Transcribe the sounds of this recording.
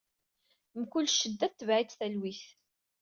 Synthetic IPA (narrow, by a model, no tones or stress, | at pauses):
mkʊlːʃːəd̪ːæθt̪ːəvʕit͡sθælwiθ